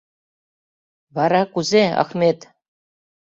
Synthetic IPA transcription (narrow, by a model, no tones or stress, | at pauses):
vɑɾɑkuzeɑ̰xmʲet̪